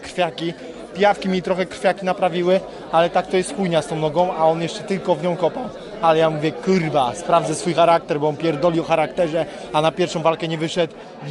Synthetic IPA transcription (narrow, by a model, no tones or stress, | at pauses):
kɾ̥fʲjakʲi | pʲjafkʲimʲit̪ɾɔxɛkɾ̥fʲjakʲinapɾavʲiwɘ | alɛt̪ak̚t̪ɔjɛst̪xujɲast̪ɔ̃w̃nɔɡɔ̃w̃aɔnjɛʂt͡ʂɛt̪ɘlkɔvɲɔ̃w̃kɔpaw | alɛjamuvʲjɛkuɾbaspɾavd̪zɛsfujxaɾak̚t̪ɛɾbɔɔnpʲjɛɾd̪ɔlʲiɔxaɾakt̪ɛʐɛ | anapʲjɛɾfʂɔ̃w̃valkɛɲɛvɘʂɛt̪w